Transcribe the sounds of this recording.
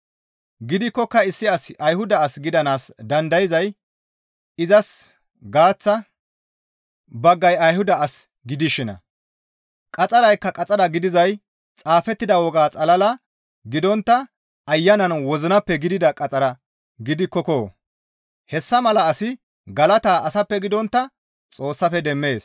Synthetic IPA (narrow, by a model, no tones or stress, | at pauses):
ɡɪd̪ɪkːɔkːɐɪsːɪɐsʔɐjhʊd̪ɐːsɡɪd̪ɐnaːsd̪ɐnd̪ɐjɪzɐj | ɪzɐs | ɡaːt͡sːɐ | bɐɡːɐjɐjhʊd̪ɐːs | ɡɪd̪ɪʃɪnɐ̰ | kʼɐt͡sʼɐɾɐjkːɐkʼɐt͡sʼɐɾɐɡɪd̪ɪzɐj | t͡sʼaːfɛt̪ːɪd̪ɐwɔɡaːt͡sʼɐlɐlɐ | ɡɪd̪ɔnt̪ːɐ | ɐjːɐnɐnwɔzɪnɐpːɛɡɪd̪ɪd̪ɐkʼɐt͡sʼɐɾɐ | ɡɪd̪ɪkːɔkoː | hɛsːɐmɐlɐːsɪ | ɡɐlɐt̪aːʔɐsɐpːɛɡɪd̪ɔnt̪ːɐ | t͡sʼo̞ːsːɐfɛd̪ɛmːe̞ːs